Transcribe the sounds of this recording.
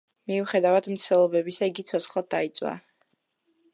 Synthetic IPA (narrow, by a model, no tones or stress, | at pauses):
miuχɛd̪avad̪mt̪sʰt̪ɛlˠɔbɛbisaiɡit̪sʰɔt̪sχlˠad̪̚d̪ait̪sʼwa̰